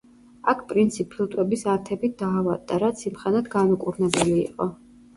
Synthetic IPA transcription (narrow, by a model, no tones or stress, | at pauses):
akʰpʼɾint̪sʰipʰlut̪ʼwɛbisaɾt̪ʰɛbit̚d̪aːvad̪aɾat̪sʰimχɛnad̪ɡanukʼuɾnɛbɛlḭːqʼɔ